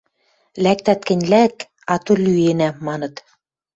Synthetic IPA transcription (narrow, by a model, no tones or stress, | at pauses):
læk̚t̪æt̪̚kɘ̆nʲlæk | ɑt̪olyenæmɑnɤ̆t̪